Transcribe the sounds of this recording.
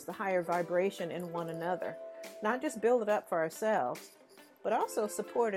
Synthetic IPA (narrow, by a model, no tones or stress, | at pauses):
zðəhaɪə˞vaɪbɹeɪʃɨ̃nɨ̃nwʌ̃nɨnʌðə̰˞nət̚d̥ʒ̥ʌsb̥ɪlˠdəɾʌpfə˞sɛlˠvz̥ | b̥ʌɾɔlˠsoʊsəpʰɔɹɾɨ